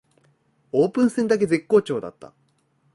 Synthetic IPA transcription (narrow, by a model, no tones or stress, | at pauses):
o̞ːpɯ̟̃ɰ̃sẽnd̪ak̬e̞ze̞kːo̞ːt͡ɕo̞ːd̪a̰t̪ːa̰